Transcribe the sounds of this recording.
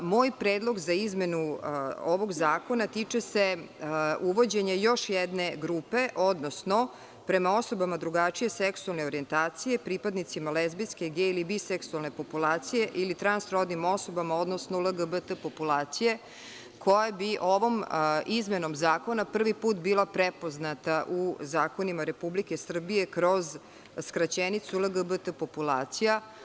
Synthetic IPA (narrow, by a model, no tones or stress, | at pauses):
mo̞ːjpɾeːd̪lˠo̞ɡzaizme̞nuoʋo̞ɡzaːko̞nat̪it͡ʂese | uʋo̞d͡ʑeɲejo̞ʃjɛd̪ne̞ɡɾuːpe̞ʔo̞d̪nosno̞ | pɾe̞mao̞so̞bamad̪ɾuɡat͡ʃije̞seksualne̞oɾie̞nt̪aːt̪sije̞pɾipad̪nit̪simalezbiske̞ɡeilibiseksualne̞po̞pulˠaːt̪sijeʔilit̪ɾansɾod̪nimoso̞bamao̞d̪nosnolˠəɡəbət̪əpopulˠaːt̪sije̞ | kʰo̞jabiʔo̞ʋo̞mizmeno̞mzaːko̞napr̩ʋipuːt̪biːlˠapɾepo̞znat̪aʔuzaːko̞nimaɾe̞publike̞sr̩bije̞kɾo̞z | skɾat͡ɕenit̪suləɡəbət̪əpopulˠa̰ːt̪sija